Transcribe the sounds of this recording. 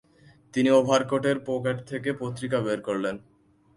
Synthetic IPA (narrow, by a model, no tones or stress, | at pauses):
t̪iniobʱaɾkoʈeɾpokeʈt̪ʰekepot̪ːɾikabeɾkoɾlen